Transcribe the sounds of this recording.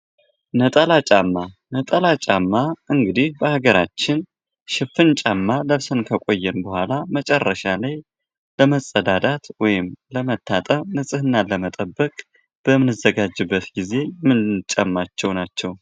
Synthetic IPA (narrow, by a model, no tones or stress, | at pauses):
nət̪ʼəlat͡ʃʼamːanət̪ʼəlat͡ʃʼamːaʔɨŋɡɨd̪ihbəhaɡəɾat͡ʃːɪn | ʃɪfɨnt͡ʃʼamːaləβsənkʰəkʼo̞jːɛnbəhʷalamət͡ʃʼɛrːəʃalaj | ləməsʼːəd̪ad̪at̪wɔjɪmləmət̪ʰːat̪ʼəmnəsʼɨhɨnːaləmət̪ʼəbːəkʼ | b̥əmɨnɨzːəɡad͡ʒːɨbːət̪ɡize̞jɛmːɨnt͡ʃʼamːat͡ʃːɛwnat͡ʃːɛw